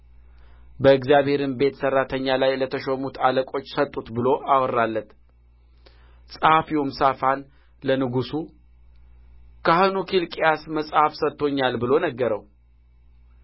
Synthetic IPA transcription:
bəɨɡzijaβhe̞ɾɨnbe̞t̪sərːat̪ʰəɲːalajlət̪ʰəʃomut̪ʰaləkʼo̞t͡ʃːsət̪ʼːut̪bɨlo̞ʔawrːalːət̪ | sʼəhafiwumsafan | lənɨɡusu | kʰahɨnukʰilkʼijasməsʼhafsət̪ːo̞ɲːalbɨlo̞nəɡːəɾəw

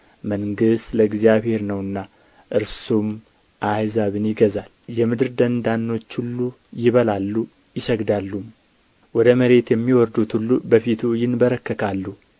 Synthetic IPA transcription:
məŋɡɨst̪ləɡzijaβhe̞ɾnəwɨnːa | ʔɨɾsum | ʔajzaβɨnjɪɡəzaljɛmɨd̪ɨɾd̪ənd̪anːo̞t͡ʃːhulːu | jɪβəlalːu | jɪʃəɡd̪alːum | wɔd̪əməɾe̞t̪jɛmːiwɔɾd̪ut̪hulːubəfit̪ʰujɪnbəɾəkːəkʰalːu

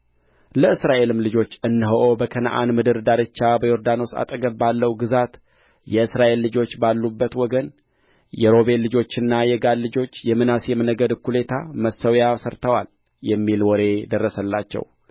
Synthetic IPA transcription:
ləɨsɾaʔe̞lɨmlɨd͡ʒo̞t͡ʃːɨnːɨɦoʔo̞bəkʰəna̰ʔa̰nmɨd̪ɨɾd̪aɾɨt͡ʃːabəjo̞ɾd̪ano̞sa̰t̪ʼəɡəbbalːəwɡɨzat̪ | jɛɨsɾaʔe̞lːɨd͡ʒo̞t͡ʃːbalːubːət̪wɔɡən | jɛɾo̞be̞lɨd͡ʒo̞t͡ʃːɨnːajɛɡad̪lɨd͡ʒo̞t͡ʃːjɛmɨnasjɛmənəɡəd̪kʰːule̞t̪ʰaməsəwjasəɾt̪ʰəwal | jɛmːilwɔɾe̞d̪ərːəsəlːa̰t͡ʃːɛ̰w

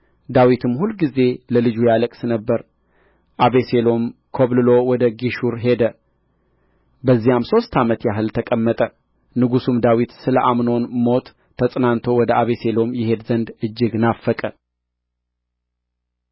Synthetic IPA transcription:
d̪awit̪ʰɨmːhulɡize̞ləlɨd͡ʒujaləkʼsɨnəbːəɾ | ʔaβese̞lo̞mkʰoβlɨlo̞wɔd̪əɡiʃuɾɦe̞d̪ə | bəzːijamso̞st̪ʰamət̪jaɦɨlt̪ʰəkʼəmːət̪ʼə | nɨɡusumd̪awit̪sɨləʔamno̞nmo̞t̪ʰː | əsʼnant̪ʰo̞wɔd̪əaβe̞se̞lo̞mjɪhe̞d̪zənd̪ɨd͡ʒːɪɡnafːəkʼə

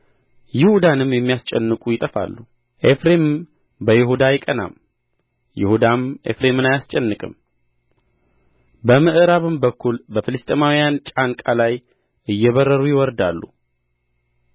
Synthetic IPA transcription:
jɪhud̪anɨmjɛmːijast͡ʃʼɛnːɨkʼujɪt̪ʼəfa̰lːu | ʔefɾe̞mɨm | bəjɪhud̪ajɪkʼəna̰m | jɪ̰hud̪amʔe̞̰fɾe̞mɨnajast͡ʃʼɛnːɨkʼɨ̰m | bəmɨʔɨɾaβɨmbəkːulbəfɨlɨst̪ʼemawijant͡ʃʼankʼalaj | ʔɨjːɛβərːəɾujɪwɔɾd̪alːṵ

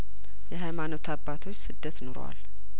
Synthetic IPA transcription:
jɛɦajmanot̪ʰabːat̪ʰo̞t͡ʃːsɨd̪ːət̪noɾ̰wa̰l

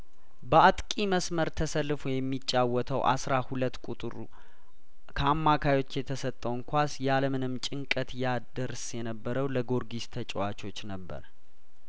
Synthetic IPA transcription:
bəat̪ʼkʼiməsməɾt̪ʰəsəlːɨfujɛmːit͡ʃʼːawːɔt̪ʰəwʔa̰sɾahulət̪ːkʼut̪ʼɨɾṵ | kʰəamːakʰajwo̞t͡ʃːjɛt̪ʰəsət̪ʼːəwŋkʰʷasjaləmɨnɨmt͡ʃʼɪŋkʼət̪jad̪əɾsjɛnəbːəɾəwləɡo̞ɾɡist̪ʰət͡ʃʼɛwat͡ʃʰʼo̞t͡ʃːnəbːə̰ɾ

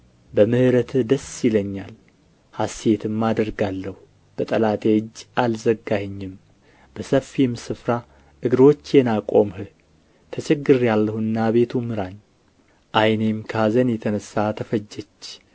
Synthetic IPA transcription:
bəmɨhɨɾət̪ʰd̪əsjɪləɲːal | hase̞t̪ʰɨmːad̪əɾɡalːəhu | b̥ət̪ʼəlat̪ʼeɨd͡ʒːalzəɡahɲːɪm | b̥əsəfːimsɨfɾa | ʔɨɡɨɾo̞t͡ʃːjɛnakʼo̞mhɨ | t̪ʰət͡ʃʰʼɛɡɨɾjalːəhɨnːaβe̞t̪ʰumɨɾaɲ | ʔajnemkʰazənjɛt̪ʰənəsːat̪ʰəfəd͡ʒːɛt͡ʃː

